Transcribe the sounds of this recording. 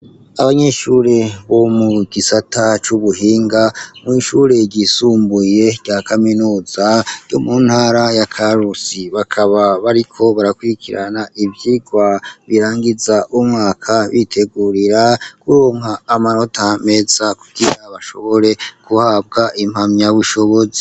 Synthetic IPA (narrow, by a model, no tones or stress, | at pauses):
aβaɲe̞ʃuɾe̞βo̞muɡisatʰat͡ʃuβuɦiːŋɡamŋiʃuːɾe̞ɟisuːmbuje̞ɟaːkʰaminuːzaɾjomun̥haːɾajakʰaɾusiβakʰaβaβaɾikʰo̞βaɾakwuɾikʰiɾanaʔivjiɡwaβiɾaːŋɡizaʔumŋaːkʰaβitʰe̞ɡuɾiɾakuɾoːŋaːmano̞tʰame̞z̥akuɡ̥iɾaβaʃo̞̰βo̞ɾe̞kuhab̚ɡaʔim̥hamɲaβuʃo̞βo̞ze̥